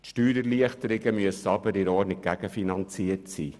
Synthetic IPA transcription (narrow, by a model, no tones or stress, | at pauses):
tʃtyːɾəɾliəχtəɾɪɡəmyəsːəɑbəɾɪɾɔːɾnɪk̚ɡ̥æɡ̥əfinɑnt͡siətsiː